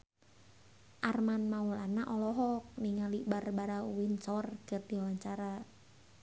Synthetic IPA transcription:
ʔarmanmaulanaʔɔlɔɦɔk̚niŋalibarbaɾauwinsɔrkərdiwawaɲt͡ʃaɾa

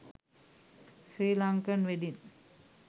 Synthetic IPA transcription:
sriːlaŋkənʋedin

